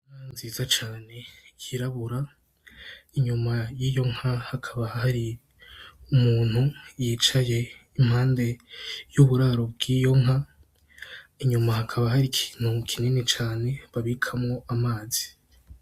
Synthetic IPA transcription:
ŋanziːzat͡ʃaːne̞kʰiɾaβuɾa | iɲumajiːjo̞ŋ̥hahakʰaβahhaɾi | umuːn̥hujit͡ʃaje̞im̥haːnde̞juβuɾaːɾobɡiːjo̞ŋɦa | iɲumahakʰaβaɦaɾikʰi̥n̥ukʰininit͡ʃaːne̞βaβikʰamŋo̞amaːzi̥

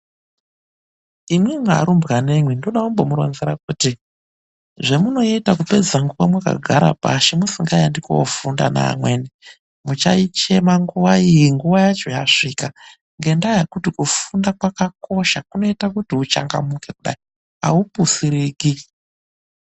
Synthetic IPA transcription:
imwema̰ɾumbɣane̞mwindo̞ɗaumbo̞muɾo̰nzeɾak̚uːti | ʐe̞muno̞itakupe̞d͡zaŋɡuwamwaka̰ɡʱaɾa̰paʃemusiŋɡajandiko̰ofunda̰na̰ːmwe̞ːne | mut͡ʃa̰it͡ʃe̞maŋɡuʋaijiŋɡuʋajat͡ʃo̞jaʂika | ŋɡe̞ndajakutikufundakwakako̞ʃakuno̞itakutiut͡ʃa̰ŋɡa̰muke̞kuɗa̰i | a̰upusiɾiɡi

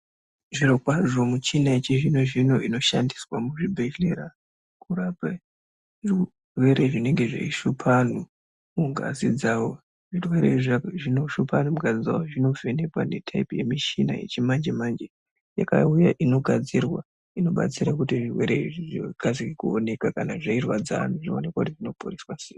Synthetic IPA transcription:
ʐirokwaʐo̞mut͡ʃinaet͡ʃiʐinoʐino̞ʔino̞ʃandiswamuʐibʱe̞ɬeɾa | kurapa | ʐi | rwe̞ɾeʐine̞ŋɡe̞ʐḛiʃupʰanu | muɡʱa̰zid͡zaːwo | ʐirwe̞ɾḛiʐʐinoʃupʰanumuɡʱazid͡za̰woʐino̞venekwa̰ne̞tʰaipje̞miʃina̰je̞̰t͡ʃimand͡ʒemand͡ʒe | jaka̰ujaʔino̞ɡʱad͡zirwa | ino̞ɓa̰t͡siɾakutiʐirwe̞̰ɾeiʐiʐiɡ̥ʱazikekuone̞kakanaʐairwad͡za̰ːn̤uʐionekwautiʐino̞puriswaseːi

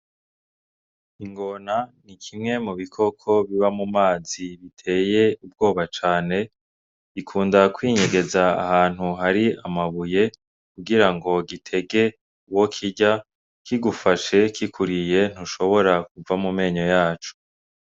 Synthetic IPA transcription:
iŋɡo̞nanikʰimŋe̞muβikʰo̞kʰo̞βiβamumaːziβitʰe̞ːje̞ub̚ɡo̞ːβat͡ʃaːne̞ | ikʰuːndakwiːɲeɡe̞za̰ːhaːn̥huɦaɾiamaβuje̞ | kuɡiɾaŋɡo̞ɡitʰe̞ɡe̞ | uwo̞kʰiɟa | kiɡufaʃe̞kikʰuɾije̞n̥huʃo̞βo̞ɾak̚uvamume̞ːɲo̞jaːt͡ʃu̥

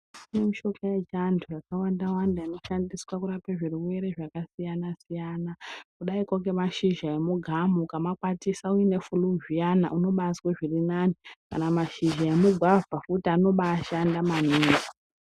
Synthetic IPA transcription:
inemiʃo̞kajad͡ʒandʰʱujakawandawandaino̞ʃandiswakuɾapeʐiruwe̞ɾe̞ʐakasijanasijanakuɗaikoŋɡe̞maʃiʒaemuɡʱamukamakwatisauine̞fuluʒijana̰ʔuno̞ɓasweʐirinanika̰namaʃiʒaemuɡʱwavʱafutiano̞ɓaːʃandamaniːko̥

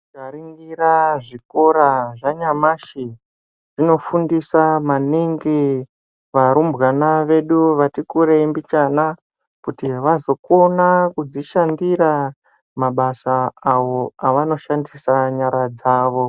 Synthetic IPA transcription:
ɡaɾiŋɡiɾaʐiko̞ɾaʐaɲamaʃi | ʐ̥ino̞fundisamaniŋɡi | ʋaɾumbɣanaʋe̞ɗuʋatikuɾeimbit͡ʃana | kutiʋazo̞ko̞nakud͡ziʃandiɾa | maɓasaːwo̞aʋano̞ʃandisaɲaɾad͡zaːʋo

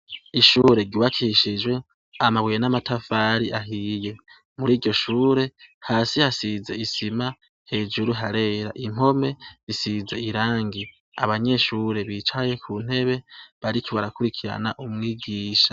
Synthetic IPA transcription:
iʃuːɾe̞ɟuːβakʰiʃid͡ʒɡwe̞ | amaβujenamatʰafaːɾiʔaɦije̞ | muɾiːɾɟo̞ʃuːɾe̞haːsihasize̞isima | he̞ːd͡ʒuɾuɦaɾe̞ːɾa̰ʔim̥o̞me̞zisize̞iɾaːŋɡi | aβaɲe̞ʃuːɾe̞βiːt͡ʃwaje̞kʰun̥e̞βe̞βaɾikiβaɾakuɾikʰiɾa̰na̰ʔumŋiːɡiːʃḁ

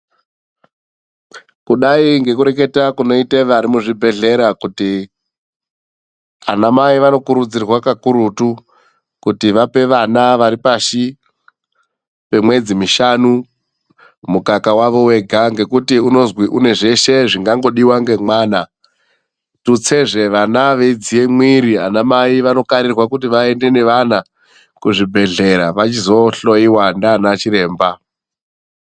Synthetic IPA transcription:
kuɗaiŋɡe̞kuɾe̞k̬e̞takuno̞iteʋaɾimuʐibʱe̞ɮe̞ɾakuti | a̰namaiʋano̞kuɾud͡zirwakakuɾutu | kutiʋape̞ʋanaʋaɾipaʃi | pe̞mwe̞d͡zimiʃanu | mukakawaʋo̞we̞ɡʱaŋɡe̞kutiuno̞zwiʔune̞ʐe̞ʃe̞ʐiŋɡaŋɡo̞ɗiwaŋɡe̞mwaːna | tut͡se̞ʐe̞ʋanaʋe̞d͡zije̞mwiɾianamaiʋano̞kaɾirwakut̬iʋae̞nde̞ne̞ʋana | kuʐibʱe̞ɮe̞ɾaʋat͡ʃizo̞ɬo̞iwandanat͡ʃiɾe̞ːmba

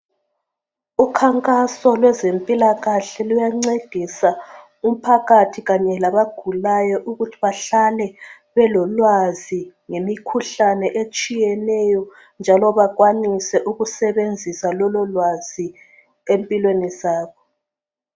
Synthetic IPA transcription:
ukʰaŋkʼasɔlwɛzempʼilaɣaɬɛlujaŋ͡ǀeɡ̥ʱisa | um̩pʰaɣatʰiɣaɲɛlaβaɡ̥ʱulajɔʔuɣutʰiβaɬalɛ | βɛlɔlwaziŋemikʰuɬanɛʔet͡ʃʼijɛnɛjɔ | nd͡ʒʱalɔβaɣwanisɛʔuɣusɛβend͡zʱisalɔlɔlwazi | empʼilwenizaːβɔ

